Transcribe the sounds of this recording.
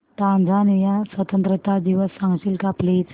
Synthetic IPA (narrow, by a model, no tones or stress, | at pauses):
t̪ãnd͡z̪ʱanijasʋət̪ənt̪ɾət̪ad̪iʋəsːãŋɡɕilkaplit͡s